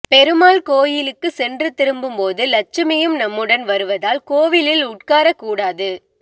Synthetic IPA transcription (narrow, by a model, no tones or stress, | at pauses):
pɛɾɯmaːlkoːjɪlɯkːɯsɛndrɯt̪ːɪɾɯmbɯmpoːðɯlɐt͡ʃːɐmɐjɯmnɐmːɯɽɐnʋɐɾɯʋɐðaːlkoːʋɪlɪlʊʈ̚kaːɾɐkːuːɽaːðɯ